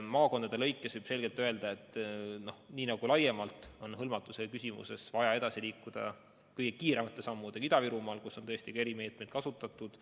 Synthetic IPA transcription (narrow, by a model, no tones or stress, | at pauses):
mɑːko̞nd̪ɑd̪e̞lɤ̞jkˑːesvujb̥se̞lɡ̥e̞lt̪ːˑø̞e̞ld̪̥ɑe̞t̪ːˑno̞hniːnɑɡ̥ulɑje̞mɑlt̪o̞nɦɤlmɑt̪ːˑusekysʲimṵse̞svɑjɑe̞d̪ɑsiliːkːˑud̪̥ɑ̰ | kɤjɡ̥ekiːɾemɑt̪ːˑesɑmːud̪eid̪̥ɑviɾumɑːlkusːo̞nt̪ɤest̪ikɑe̞ɾime̞ːt̪me̞jd̪̥kɑsut̪ːˑɑt̪ːˑud̪̥